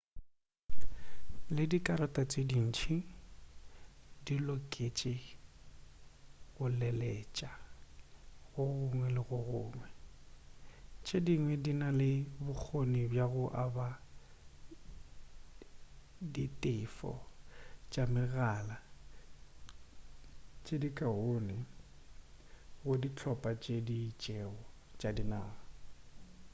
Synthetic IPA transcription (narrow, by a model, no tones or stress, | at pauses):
lɪdikʼaɾɔtʼat͡sʼedin̩t͡ʃʰi | dilɔkʼet͡ʃʼɪ | ɣʊlɛlɛːt͡ʃʼa | ɣʊɣʊŋwɛlɪɣʊɣʊːŋwɛ | t͡ʃʼediŋwɛdinalɪbʊk͡xʰonibjaɣʊʔaba | ditʼɪfɔ̰ | t͡ʃʼamɪɣala | t͡ʃʼedikʼaɦonɪ | ɣʊdit͡ɬʰɔpʼat͡ʃʼedit͡ʃʼɛɔ | t͡ʃʼadinaː